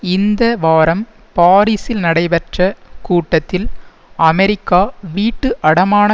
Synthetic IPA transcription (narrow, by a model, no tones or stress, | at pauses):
ɪnd̪ɐʋaːɾɐm | paːɾisɪlnɐɽɐɪpɛʈrɐkuːʈːɐt̪ːɪl | ɐmɛɾɪkːaːʋiːʈːɯʔɐɽɐmaːnɐ